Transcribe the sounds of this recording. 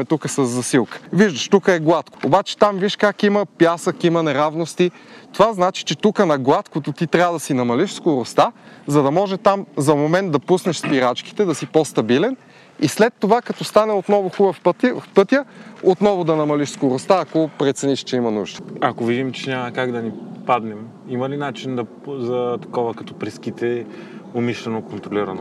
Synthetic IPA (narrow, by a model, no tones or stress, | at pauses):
ɛt̪ukəsəzːɐsilˠkə̥viʒd̪əʃt̪ukəɛɡlˠat̪ko̥obat͡ʃɛ̥t̪amviʃkakiməpjasəkimənɛɾavnost̪it̪ovaznat͡ʃi̥t͡ʃɛt̪ukənɐɡlˠat̪kot̪ʊt̪it̪ɾʲavəd̪ɐsinɐmɐliʃskoɾʊst̪azɐd̪ɐmɔʒɛt̪amzɐmomɛnt̪̚d̪ɐpusnɛʃspiɾat͡ʃki̥t̪ɛd̪ɐsipɔst̪ɐbilɛn | islɛt̪ːovakɐt̪ɔst̪anɛot̪nɔvʊxubəfpt̪fpɤt̪jəot̪nɔvʊd̪ɐnɐmɐliʃskoɾʊst̪aːkopɾɛt̪sɛniʃt͡ʃɛimɐnuʒd̪ə̥ɐkovid̪imt͡ʃɛnʲamɐkaɡd̪ɐnipad̪nɛm | imɐlinat͡ʃind̪ɐ | zɐt̪ɐ̥kɔvəkɐt̪ɔ̥pɾɛskit̪ɛ | omiʃlɛnokont̪ɾoliɾɐno